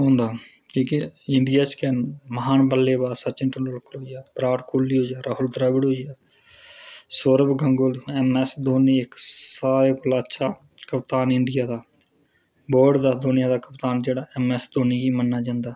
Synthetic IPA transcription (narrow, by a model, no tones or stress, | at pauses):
ɦõːnd̪aː | kĩːkeɪɳɖɪjaːt͡ʃkɛnməɦaːnbəlːeːbaːsət͡ʃɪɳʈənlolkəɾoːijaːbɾaːʈkʰoːlːiːɦoːaːɾaːɦʊld̪ɾəːɡəɽɦoːijaː | soːɾəbɡəŋɡolɛːmɛːsd̪oːniːɪksaːɾeːkʊlaətːʃʰaː | kəpt̪aːnɪɳɖɪjaːd̪aː | boːɾɖd̪aːd̪oːnɪjãːd̪aːkəpt̪aːnd͡ʒeːɽaːɛːmɛːsd̪oːniːɡiːmənːaːd͡ʒãːnd̪aː